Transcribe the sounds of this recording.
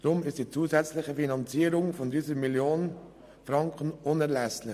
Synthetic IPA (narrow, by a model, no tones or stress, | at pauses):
d̥ɾʊmɪstd̥iːt͡suːzɛt͡slɪxəfinɑnt͡siːəɾʊŋfɔndiːzəɾmiljoːnən | fɾɑŋkʰənʊnɛɾlɛslɪ